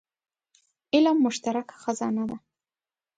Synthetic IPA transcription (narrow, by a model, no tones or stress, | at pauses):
ɪlamːʊʃt̪aɾakḁxazɑnad̪a